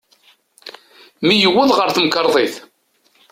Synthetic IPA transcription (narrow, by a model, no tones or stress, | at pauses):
mijəwːʊðʁəɾθəmkəɾˤðˤeθ